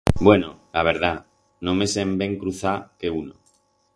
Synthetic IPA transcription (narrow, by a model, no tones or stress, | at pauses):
bwe̞nolaβ̞e̞ɾð̞a | nõmesembe̞ŋkɾuθakeuno